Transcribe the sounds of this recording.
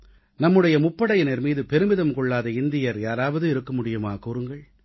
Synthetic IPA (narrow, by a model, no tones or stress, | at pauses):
nɐmːɯɽɐjɐmʊpːɐɽɐjɪnɛɾmiːðɯpɛɾɯmɪðɐmkɔɭːaːðɐɪnd̪ɪjɐɾjaːɾaːʋɐðɯɪɾɯkːɐmʊɽɪjɯmaːkuɾɯŋɡɐɭ